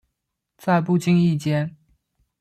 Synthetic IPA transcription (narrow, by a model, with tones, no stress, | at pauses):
t͡sa˥˧ɪpu˥˩t͡ɕi˥ŋi˥˩t͡ɕjɛ˥n